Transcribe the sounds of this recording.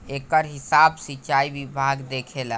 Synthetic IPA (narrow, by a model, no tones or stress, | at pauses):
ekəɾɦisabsiːt͡ʃaibibʱaɡd̪ekʰel